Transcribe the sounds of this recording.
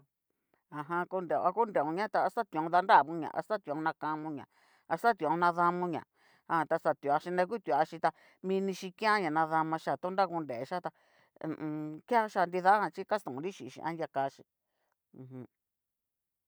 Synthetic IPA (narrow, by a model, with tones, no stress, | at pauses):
a˨ɦã˧ku˧nde˨o̰˨˧a˧ku˦nde˨õ˧ɲã˦t̪a˧a˧st̪a˦t̪õ˧ða˧nda˦˨βũ˧˦ɲã̰˨ʔa̰˧st̪a˦t̪nã˧kã˧mũ˧ɲã˨ | a˧st̪a˦t̪ĩ˧˨˧nã˧ða˧mũ˧ɲã̰˨ | a˧ã˧t̪a˧sa˧˨t̪a˧ʃi˧nẽ˧ku˦t̪u˧a˧ʃi˧t̪a˧ | mĩ˧nĩ˧ʃi˧kĩ˦ã˦ɲã˨nã˧ða˧mã˧ʃa˦˨t̪u˦nda˦˨ku˧nde˨˧ʃa˦t̪ã˧ | kjã˦ʃa˧nd̪i˧ða˦hã˧t͡ʃi˦ka˦st̪õ˨ɾi˦ʃi˨ʃḭ̃˧ʔã̰˦nda˧ka˧ʃĩ˧ | hũ˧